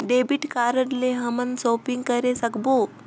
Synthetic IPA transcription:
ɖebiʈkaɾəɽleɦəmənsopiŋɡkəɾesəkbo

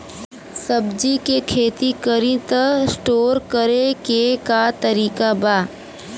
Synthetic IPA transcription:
səbd͡ʒikekʰeːt̪ikəɾĩt̪əsʈoːɾkəɾekekat̪əɾiːkabaː

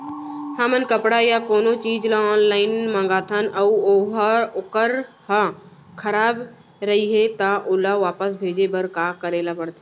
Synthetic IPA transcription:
hamənkəpɽajakoːnot͡ʃiːd͡ʒlaɔːnlaːɪnmãːŋɡaːt̪ʰanɐuoːɦəʊkəɾ | ha | kʰəɾaːb | ɾɐɦiɦet̪aʔʊlaʋaːpəsbʱeːd͡ʒebəɾkakəɾeːlapəɽt̪ʰe

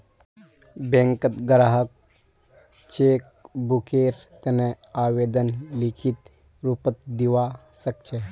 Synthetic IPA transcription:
bẽŋkət̪ɡəɾaɦək̚ | t͡ʃeːk̚bukeːɾt̪ene | aːʋeːd̪ənlikʰit̪ | ɾupət̪̚d̪iʋa | sɐk̚t͡ʃʰe

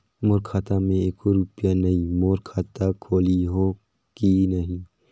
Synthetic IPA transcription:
moːɾkʰaːt̪amẽeːkoɾupjanɐɦimoːɾkʰaːt̪akʰoːliɦoː | kinəɦĩː

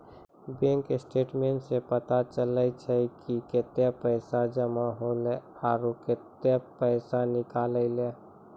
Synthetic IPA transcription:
bẽŋkɪsʈeːʈmẽʈsepət̪at͡ʃələt͡ʃʰɛkiket̪japəɪsad͡ʒəmaɦole | aːɾoket̪apəɪsanɪkaːləɪle

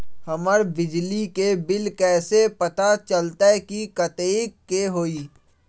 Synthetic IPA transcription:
hɐməɾbɪd͡ʒlikebɪlkɛːsepɐt̪at͡ʃəlt̪aɛkikɐt̪eːikːeɦoːiː

